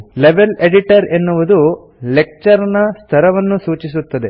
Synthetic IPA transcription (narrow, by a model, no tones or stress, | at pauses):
leʋeleɖiʈɐɾenːuʋud̪u | lek̚t͡ʃɐɾɐnɐst̪ʰɐɾɐʋɐnːusuːt͡ʃis̬ut̪ːɐd̪e̞